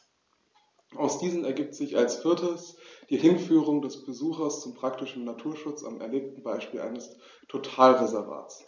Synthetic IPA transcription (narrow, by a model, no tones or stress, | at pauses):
ʔaʊsd̥iːzn̩ɛɐɡiːp̚tz̥ɪçalsfɪɐtʰəsd̥iːhɪnfyːʁʊŋdɛsb̥əzuːxɐst͡sʊmpʁ̥ak̚tɪʃn̩natʰuːɐʃʊt͡sa̰mɛ̰ɐleːp̚tn̩baɪʃpiːlʔa̰ɪnəs | tʰotʰaːlʁezɛɐva̰ːs